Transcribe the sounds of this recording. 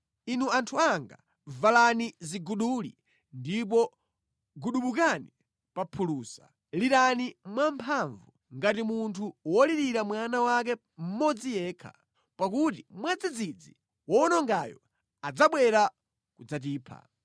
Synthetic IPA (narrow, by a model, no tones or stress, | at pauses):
inuantʰuaŋɡa̰ | valaniziɡuɗulḭ | ndipɔ | ɡuɗuɓuk̬ani | papʰuluːsa̰ | liɾanimwampʰaɱvu | ŋɡatimuntʰuwɔliɾiɾamwanawak̬ɛ | m̩mɔd͡zijɛːkʰa̰ | pak̬utimwad͡zid͡zid͡zi | wɔnɔŋɡajɔ̰ | ad͡zaɓwɛɾa | kud͡zat̬iːpʰa̰